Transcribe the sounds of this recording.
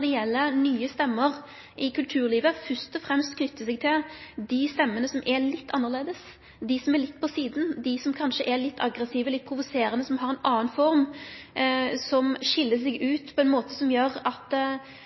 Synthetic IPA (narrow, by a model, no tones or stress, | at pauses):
d̪ɛɛlːənyːəst̪ɛmːəɾ | ʔɪkʉlt̪ʰʉːɾliːʋəfœʂt̪ɔfɾɛmst̪kʰnʏt̪ːəsɛɡ̚t̪ʰɪld̪ɪst̪ɛmːənəsɔmʔɛlɪt̪ʰːɑnːəʁleːd̪əs | d̪ɪsɔmɛɾlɪt̪ːpʰɔsiːd̪nd̪ɪsɔmkʰɑnʂəʔɛɾlɪt̪ːɑ̰ɡɾɛsiːʋəlɪt̪̚ːpʰɾʊʋʊseːɾənəsɔmhɦɑɾɛnɑːənfɔɾm | sɔmʃɪlːəsɛɡʉːt̪pʰɔɛnmoːt̪əsɔmjøɾɑt̪